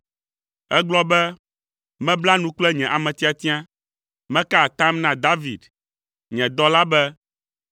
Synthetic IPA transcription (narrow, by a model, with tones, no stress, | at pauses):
ɛ˦ɡ͡blɔ˦bɛ˦ | mɛ̃˦bla˦nũ˦k͡plɛ˦ɲɛ̃˨ʔa˨mɛ̃˨t̪i˦a˨t̪ĩ˦ã˦ | mɛ̃˦ka˦˨t̪ã˦mnã˨d̪a˦vi˨d̪ | ɲɛ̃˨d̪ɔ˦la˦bɛ˦